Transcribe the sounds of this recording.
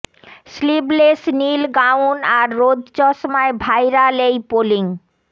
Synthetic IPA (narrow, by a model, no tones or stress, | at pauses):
sliblesnilɡawnaɾːod̪ʱd͡ʑɔʃmaebʱajɾalejpoliŋ